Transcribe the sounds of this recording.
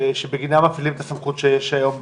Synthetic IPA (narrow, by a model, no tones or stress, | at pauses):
ʃebeɡinamafilimet̪asamχut̪ʃejeʃajo̞m